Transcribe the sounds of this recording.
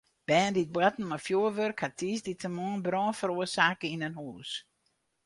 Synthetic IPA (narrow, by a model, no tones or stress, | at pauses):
b̥ɛːndit̚bwatn̩mafjuːəʋørkhatʰiːsditʰəmɔːnbrɔ̃ːnfəɾuəsaːkəinənhuːs